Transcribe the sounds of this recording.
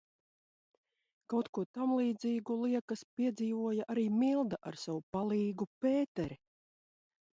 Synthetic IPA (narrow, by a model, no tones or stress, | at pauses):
kawt̪kuɔt̪amlˠiːd̪ziːɡulˠiɛkɐspiɛd̪ziːvuɔjaʔaɾiːmilˠd̪aʔa̰ɾsavupalˠiːɡupeːt̪ɛɾi